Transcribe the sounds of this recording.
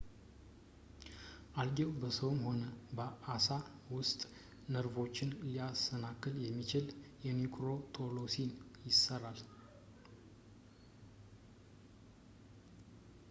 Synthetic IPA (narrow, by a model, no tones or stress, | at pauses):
ʔalɡewbəsəwmho̞nəbəʔasawʊst̪ʼ | nəɾvo̞t͡ʃːɪnlijasənakːɨljɛmːit͡ʃɪljɛnikʰʼɾo̞t̪ʰo̞lo̞sinjɪsəral